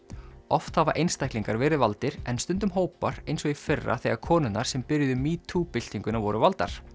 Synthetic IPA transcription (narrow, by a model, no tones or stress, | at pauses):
ɔft̪havaɾʔejnst̪ajkliŋkaɾvɛːɾɪðvalt̪ɪɾɛnst̪ʏnt̪̬ʏmɦoːwpaɾejnsɔɣifɛrːa̰θɛɣakʰɔːnʏnːaɾ̥sɛmpɪɾjðʏmiːt̪ʰupɪl̥t̪iŋkʏnavɔɾʏvalt̪a̰ɾ̥